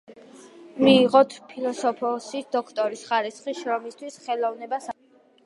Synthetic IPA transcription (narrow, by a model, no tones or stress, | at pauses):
miːʁɔt̪ʰpʰilˠɔsɔpʰɔsid̪ɔkʰt̪ʼɔɾisχaɾisχiʃɾɔmist̪ʰwisχɛlˠɔvnɛbas